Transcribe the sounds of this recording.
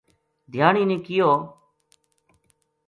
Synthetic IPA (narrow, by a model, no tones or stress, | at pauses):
d̪ʱjaːɳiːnĩːkɪjoː